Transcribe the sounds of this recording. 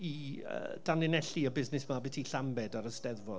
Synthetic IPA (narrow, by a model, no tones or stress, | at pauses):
iə̰d̥anɪnɛɬiəbɪznɪsmabɪtʰiɬambɛdaɾəstɛðvɔ